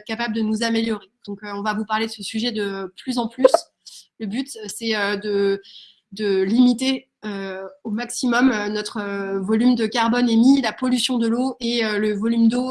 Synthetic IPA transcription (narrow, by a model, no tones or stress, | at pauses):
t̪kapabləd̪ənuzameljɔʁed̪̥ɔ̃køɔ̃vavupaʁled̪əsəsyʒɛd̪əplyzɑ̃plys | ləbyt̪sɛød̪ə | d̪əlimit̪e | øomaksimɔmnɔt̪χəvɔlymd̪əkaʁbɔnɛmilapɔlysjɔ̃d̪əloeøləvɔlymd̪o